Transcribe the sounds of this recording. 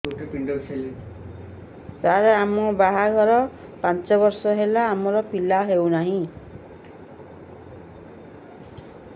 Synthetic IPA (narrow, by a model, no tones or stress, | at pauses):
uʈipiɳɖoɾseli | saɾeamɔbaɦaɡʱɔɾɔ | pant͡ʃɔβɔɾsɔɦelaːmɔɾɔpilaɦewnaɦĩ